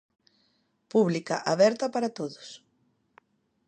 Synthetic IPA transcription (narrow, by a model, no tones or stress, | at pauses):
puβlikaʔaβɛɾt̪ɐpaɾat̪oðʊs